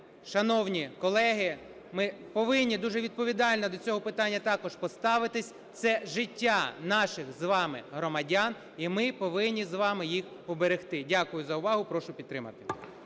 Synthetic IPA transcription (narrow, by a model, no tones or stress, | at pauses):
ʃɐnɔwnʲikɔlˠɛɦɪ | mɪpɔʋɪnʲːid̪uʒɛʋʲid̪̚pɔʋʲid̪ɑlʲnɐd̪ɔt͡sʲɔɦɔpɪt̪ɑnʲːɐt̪ɑkɔʒpɔst̪ɑʋɪt̪ɪsʲ | t̪sɛʒɪtʲːanɑʃɪxzʋɑmɪ̰ɦɾɔmɐdʲan | imɪpɔʋɪnʲːizʋɑmɪjixpɔbeɾext̪ɪdʲakʊjʊzɐʊʋɑɦʊpɾɔʃʊpʲid̪t̪ːɾɪmɐ̰t̪ɪ̥